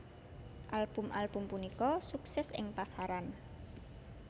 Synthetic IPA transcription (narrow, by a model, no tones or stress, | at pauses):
ʔalb̥umʔalb̥umpunikɔsuksɛsɪ̰ŋpasaɾan